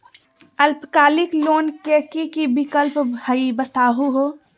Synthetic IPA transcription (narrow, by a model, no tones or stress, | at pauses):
əlpkaːlɪkloːnkekikibɪkəlpəibət̪aːɦuɦoː